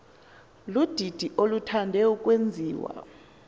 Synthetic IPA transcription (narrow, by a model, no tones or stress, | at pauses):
lud̥ʱid̥ʱiʔolutʰandʱɛukʼwend͡zʱiːwa̰